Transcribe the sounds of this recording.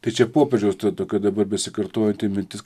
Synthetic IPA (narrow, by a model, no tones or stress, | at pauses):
t̪ɐɪt͡ʃʲɛpoːpʲɛɾʒd͡ʒʲɛʊst̪ɐt̪oːkʲoːd̪ɐbɐɾbʲɛsʲɪkɐɾt̪oːjɛnt̪ʲɪmʲɪnʲt̪ʲɪs